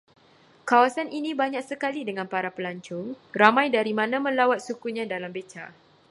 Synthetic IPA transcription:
kawasaninĩbaɲaksəkalidəŋãnpaɾapəlaɲt͡ʃʊŋ | ramãjdaɾimãnãmə̃lawat̪̚sukuɲãdalambet͡ʃa̰

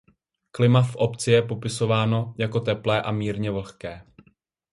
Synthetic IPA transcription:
klɪmafʔo̞pt͡sɪjɛpo̞pɪso̞vaːno̞jako̞t̪ɛplɛːʔamiːɾɲɛvl̩xkɛː

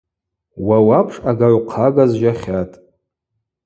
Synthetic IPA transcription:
wawapʰʂʼaɡarqʰaɡazʒaχʲatʼ

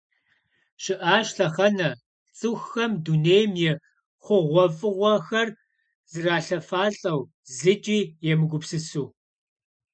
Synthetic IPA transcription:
ɕɪʔaːʃɬɐχɐnɐ | t͡sʼɨxːɐmduneːjmjɛ | χʷʊʁʷɔfʼɨʁʷɔxɐr | z̥ɨraːɬɐfaːɬʼɐw | zɨt͡ʃʼiːjɛmɨɡʷʊpsɨsuː

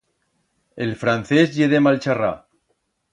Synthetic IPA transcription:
elfɾanθezʎeðemalt͡ʃara̰

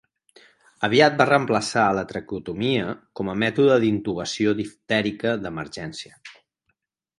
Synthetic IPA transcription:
əβiat̪̚barəmpləsaələt̪ɾəkut̪umiəkɔməmɛt̪uðəðint̪uβəsioðift̪ɛɾikəd̪əməɾʒɛnsiə

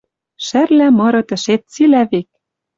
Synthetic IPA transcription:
ʃæ̆rlæmɤ̆ɾɤ̆t̪ɘ̆ʃet̪̚t͡silæβek̚

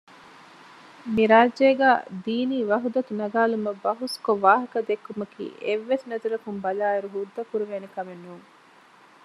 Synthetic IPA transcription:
miɾaːd͡ʒeːɡæ̰ːd̪iːniːʋɐɦud̪ɐt̪unɐɡaːlumɐbɐɦuskoʋaːɦɐkɐd̪ekːumɐkḭːʔeʋːesinɐt̪uɾɐkumbɐlaːɐɾuɦud̪ːɐkuɾuʋeːnekɐmenːuːŋ

